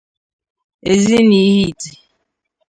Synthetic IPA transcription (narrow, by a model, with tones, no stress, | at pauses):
e˨zi˦ni˨˦hi˦˨ti˨